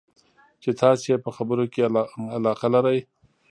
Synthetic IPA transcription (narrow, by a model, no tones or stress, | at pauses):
t͡ʃet̪ɑsjepəxabəɾokealɑqalaɾaj